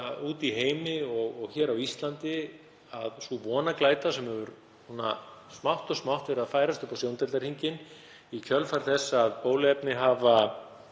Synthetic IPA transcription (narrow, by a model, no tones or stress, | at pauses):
uːt̪iɦeːjmɪɔɣɔɣçɛːɾawist̪lant̪ɪ | aðsuvɔːnaklaːjt̪asɛmhɛvʏɾ | nuːnasmawht̪ɔsmawht̪vɛɾɪaðfaːjɾast̪ʏhpawsjownt̪ɛlaɾ̥hiɲcɪn | icʰœlfaɾ̥θɛsːaːðpoːwlɪɛpnɪɦaːva